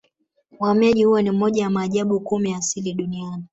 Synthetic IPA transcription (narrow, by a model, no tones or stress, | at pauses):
wamaʄihuwanim̩mɔʄawamaːʄaɓukumijasiliɗuniani